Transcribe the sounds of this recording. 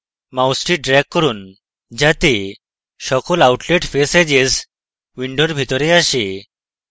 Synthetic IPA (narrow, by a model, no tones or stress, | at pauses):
mawsʈiɖɾɛkːəɾuːn | d͡ʑat̪e | ɕɔkɔlawʈleʈfesed͡ʑes | ʋiɳɖoɾbʱit̪ɔɾeaɕe